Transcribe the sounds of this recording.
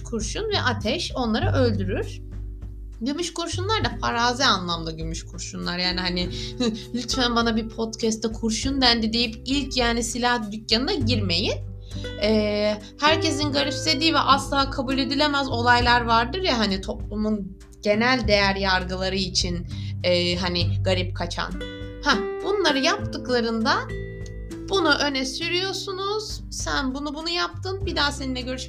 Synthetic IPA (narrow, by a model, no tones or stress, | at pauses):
kʰuɾʃunvɛʔat̪ʰɛʃo̞nlˠaɾaʔø̞lʲd̪yɾyɾ̥ | ɟymyʃkuɾʃunlˠaɾd̪apʰaɾaːzianlˠamd̪aɟymyʃkʰuɾʃunlˠaɾjaːniɦanilʲyt̪fænbanabipʰo̞t̪cʰɛst̪ːɛkʰuɾʃund̪ænd̪id̪e̞jipilʲcʰjaːnisilʲahtd̪ycjanɯnaɟiɾme̞jin | ɛː | hæɾce̞s̬inɡaɾipse̞d̪iːvɛʔaslˠaːkʰabulʲe̞d̪ilʲe̞mæzo̞lˠajlˠaɾvaɾd̪ɯɾjaɦanit̪ʰo̞plˠumun | ɟe̞nælʲd̪e̞jæɾjaɾɡɯlˠaɾɯit͡ʃʰinɛːɦaniɡ̥aɾip̚kʰat͡ʃʰa̰n | hæbunlˠaɾɯjap̚t̪ɯklˠaɾɯnd̪a | b̥unuʔø̞nɛsyɾyjo̞sunuz̥ | sænbunubunujap̚t̪ʰɯnbid̪aːse̞ninʲɛɟø̞ɾyʃ